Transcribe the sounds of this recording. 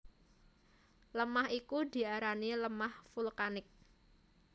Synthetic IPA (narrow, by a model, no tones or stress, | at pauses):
ləmahikud̪i̤aɾaniləmahfulkanɪk̚